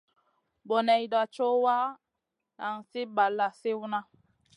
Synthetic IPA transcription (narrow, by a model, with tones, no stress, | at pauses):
bɔ˨nɛ˨i˨da˨t͡ʃo˦wa˦ | na˨ŋ̩˨si˦ba˨lːa˨si˦wu˦na˦